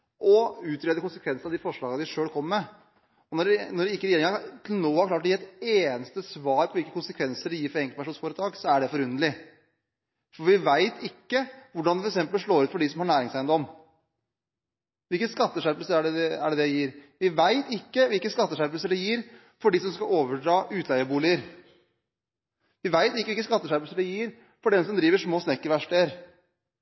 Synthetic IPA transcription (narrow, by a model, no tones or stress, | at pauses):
ʔɔʉːt̪ɾeːd̪əkʊnsəkʰʋɛnsənɑd̪ɪfɔʂɭɑːɡəd̪ɪʂøːlkʰɔmːəɾmɛ | ɔnɔɖɛnɔɖɛɪkːəɾɛjeːɾɪŋɑt̪ʰɪlnoːhɑɾkʰlɑːʈːɔjːɾɛt̪eːnəst̪əsʋɑːɾpʰɔʋɪlkːəkʊnsəkʰʋɛnsəɖɪjiːɾfɔɾɛŋklpæʂuːnsfoːɾət̪ʰɑːɡsɔæɖɛfɔɾʉnd̪əlɪ | fɔʋɪʋæɪt̪ʰɪkːəʋʊɖɑnɛfɔɾɛksɛmpəlʂɭoːɾʉːt̪fɔɖɪsɔmhɑɳæːɾɪŋsæɪnd̪ɔm | ʋɪlkːəskɑt̪ːəʂæɾpəlsəɾæɖɛɛæ̰ɖɛd̪ɛjiːɾʋɪʋæɪt̪ɪkːəʋɪlkːəskɑt̪ːəʂæɾplsəɖɛjiːɾ | fɔɖɪsɔmskɑoːʋəɖɾɑːʔʉːt̪ʰæɪəbuːlɪəɾ | ʋɪʋæɪt̪ʋɪkːəʋɪlkːəskɑt̪ːəʂæɾpəlsəɖɛjiːɾ | fɔɖɛnsɔmd̪ɾiːʋəʂmoːsnɛkːəʋæʂʈeəɾ